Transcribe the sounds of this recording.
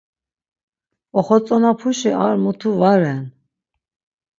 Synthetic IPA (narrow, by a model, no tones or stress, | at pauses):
ɔχɔt͡sʼɔnapʰuʃiʔaɾmɔt̪ʰuvaɾɛn